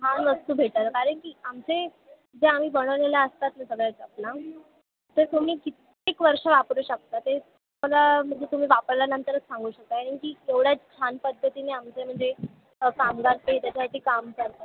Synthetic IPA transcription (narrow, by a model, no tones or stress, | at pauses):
ɦanʋəst̪uːbʱeʈaɾəkaɾəɳkiːamt͡se | d͡zeam̤iːbəɽ̃əʋleljaəst̪at̪məsəɡɭjad͡zapla | t̪əɾt̪um̤iːkit̪ | ekʋəɾʂəʋapɾuɕək̚t̪at̪e | məlam̤əɳd͡zet̪um̤iːʋapəɾlanənt̪əɾət͡ssãŋɡuːɕək̚t̪akaɽinkiːeʋɽjat͡st͡ɕʰanpəd̪ʱːət̪ineamt͡sem̤əɳd͡ze | kamɡaɾt̪eet̪jat͡ɕʰaʈiːkamkəɾt̪ə